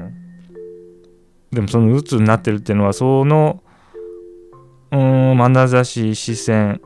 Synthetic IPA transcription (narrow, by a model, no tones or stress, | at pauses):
d̪e̞mo̞so̞no̞ɯ̟t͡sɨːɲ̟inat̪ːe̞ɾɯ̟t̪ːeɯ̟noβasono̞ | ɯ̃manazaɕiɕisẽɴ